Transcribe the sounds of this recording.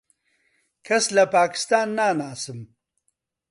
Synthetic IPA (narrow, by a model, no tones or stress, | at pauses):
kʰaslapaːkɪ̥st̪ɑːnːaːnaːsəm